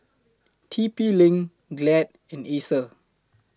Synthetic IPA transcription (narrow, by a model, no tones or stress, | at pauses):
tʰipilɪ̃ŋ | ɡlɛt̚ | ɛ̃nesə